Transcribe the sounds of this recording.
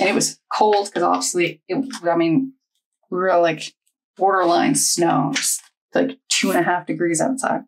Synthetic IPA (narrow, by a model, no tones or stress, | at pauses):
ʔɨ̃ñɨt̚wʌz̥kʰoʊlˠd̚kʰʌzɑ̰bvistˡiɪt̚aɪmĩn | ɹilaɪk | wɔɾə˞lãɪ̃nsnoʊs | laɪktʰʉə̃ñɨɦæfd̥ɨɡɹizaʊtsa̰ɪd̥̚